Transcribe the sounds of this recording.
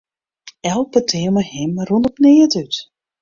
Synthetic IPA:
ɛlˠk̚bətʰɪəməhɪmrondɔpnɪːətyt

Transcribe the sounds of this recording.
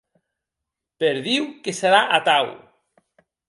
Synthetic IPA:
peɾðiwkeseɾaʔat̪aw

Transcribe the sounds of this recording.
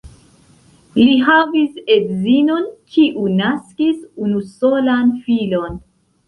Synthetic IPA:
liɦavisedzino̞nkʰiʔunaskisunuso̞lanfilo̞n

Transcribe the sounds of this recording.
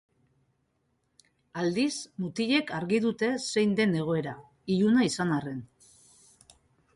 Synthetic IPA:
ald̪ismut̪iʎe̞kaɾɣið̞ut̪e̞se̞jnd̪e̞ne̞ɣ̞o̞e̞ɾa | iʎunaisanare̞n

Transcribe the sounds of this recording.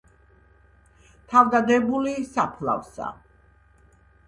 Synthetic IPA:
t̪ʰavd̪ad̪ɛbulisapʰla̰vsa̰

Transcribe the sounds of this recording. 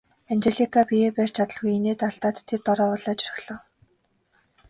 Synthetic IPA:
ant͡ɕeɮikʰapijeːpær̥t͡ɕʰat̪ə̆ɮɣujeneːt̪aɬt̪aːt̪ʰːet̪ːɔɾɔːɔɮaːt͡ɕœ̥r̆xɮ̥ɞ̆w

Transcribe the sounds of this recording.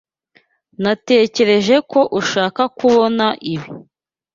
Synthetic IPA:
nate̞ːce̞ɾe̞ʒe̞ko̞ʔuʃaːkakuβo̞naʔiβi

